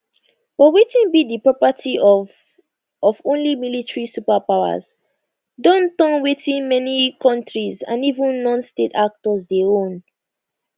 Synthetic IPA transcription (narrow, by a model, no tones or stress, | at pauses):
bɔwetĩnbidipɹɔpatʰi | ɔvõnlimilitɹisupapaʊa̰z | dɔ̃ntɔ̃nwetĩnmɛnikʰɔ̃ntɹizã̰nivũnːɔ̃nstetak̚tɔzdeõn